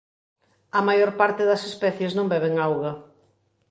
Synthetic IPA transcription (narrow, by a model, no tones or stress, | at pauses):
ɐmajoɾpaɾt̪ɪðɐsespɛθjeznõmbɛβ̞eŋawɣɐ